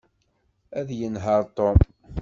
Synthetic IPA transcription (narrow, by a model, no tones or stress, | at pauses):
æðjənɦəɾˤt̪om